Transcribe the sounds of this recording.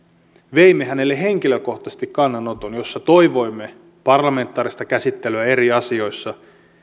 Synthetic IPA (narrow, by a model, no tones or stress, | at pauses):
ʋe̞imːeɦæne̞lːeɦe̞ŋk̟iløko̞ht̪ɑse̥st̪ikːɑnːɑno̞t̪onjo̞sːɑt̪o̞iʋo̞jmːe̞ | pɑrlɑme̞nt̪ːˑɑːɾist̪ɑkæsit̪ːeløæe̞ɾiɑsio̞jsːɑ